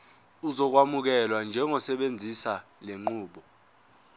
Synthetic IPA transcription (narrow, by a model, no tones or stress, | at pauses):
uzɔk̬wamuk̬ɛlwand͡ʒʱɛŋɔsɛɓend͡zʱisa | leŋ͡ǃuːɓɔ